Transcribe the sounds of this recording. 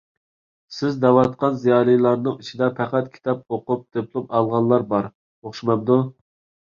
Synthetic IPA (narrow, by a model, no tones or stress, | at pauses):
sɪzd̪ɑwɑt̪qɑnzijɑːlijlˠɑɾnɨŋit͡ʃʰid̪ɛpʰæqæt̪̚kʲʰi̥t̪ʰɑp̚oqup̚d̪̥epʰlˠupɑlˠʁɑnlˠɑɾbɑɾ | oχʃimɑmd̪u